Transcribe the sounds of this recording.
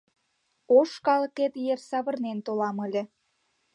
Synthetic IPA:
oʃkɑlə̆ket̪jersɑβə̆rnent̪olɑməlʲĕ

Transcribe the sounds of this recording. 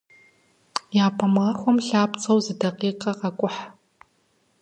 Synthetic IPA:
jaːpʰɐmʁɐxʷɔmɬaːpt͡sʼɐwzɨdɐqiːqɐqɐkʷʼʊħ

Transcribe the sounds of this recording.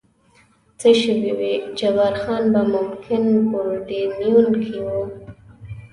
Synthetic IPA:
t͡səʃəwiwid͡ʒawaɾxɑnbamʊmkʰɪnkoɾɖenijunkʰiwu

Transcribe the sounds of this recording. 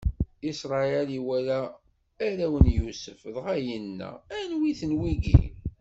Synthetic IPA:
isɾˤɑæliwælæː | ɾæwənjusəfðʁajənːæ̰ænwiθənwiɡḭ

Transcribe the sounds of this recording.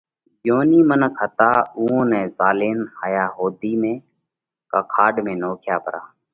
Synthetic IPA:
joːniːmənəkʰɦət̪aːuːõːnɛ̃ːzaːleːnhaːjaːɦoːd̪iːmẽː | kaːkʰaːɖmẽːnoːkʰjaːpəɾa̰ː

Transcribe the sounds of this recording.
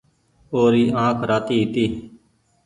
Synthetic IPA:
oːɾiːʔãːkʰɾaːt̪iːɦiːt̪iː

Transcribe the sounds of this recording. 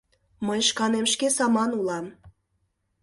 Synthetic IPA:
məjʃkɑnemʃkesɑmɑnulɑm

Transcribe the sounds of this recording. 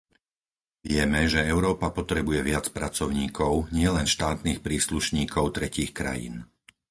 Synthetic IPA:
ʋɪɛmɛʒɛɛʊɾɔːpapɔt̪ɾɛbujɛʋɪat͡spɾat͡sɔʊɲiːkʰɔʊɲɪɛlɛnʃt̪aːt̪niːxpɾiːsluʃɲiːkʰɔʊt̪ɾɛciːxkɾa̰jḭn

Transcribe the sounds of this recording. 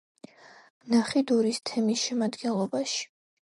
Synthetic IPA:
naχid̪uɾist̪ʰɛmisʃɛmad̪ɡɛnlˠɔbaʃi̥

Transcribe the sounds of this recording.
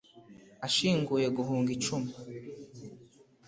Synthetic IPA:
aʃiːŋɡujeɡuɦuːŋɡit͡ʃumi

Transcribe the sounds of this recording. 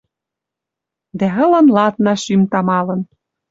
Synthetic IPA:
d̪æɤ̆lɤ̆nlɑt̪nɑʃymt̪ɑmɑlɤ̆n

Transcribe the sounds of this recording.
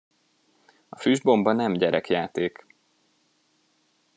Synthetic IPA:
ɒfyːʒbo̞mbɒnɛmɟɛɾʔɛkjaːt̪eːk

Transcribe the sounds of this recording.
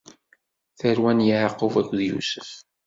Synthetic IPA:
θəɾwænjəʕɑqːəvækʷːðjṵsə̥f

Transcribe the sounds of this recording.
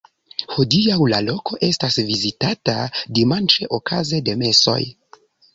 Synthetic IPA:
hodijawlalo̞ko̞ʔe̞stasvizitatadimant͡ʃe̞ʔokʰaze̞de̞me̞so̞̰j

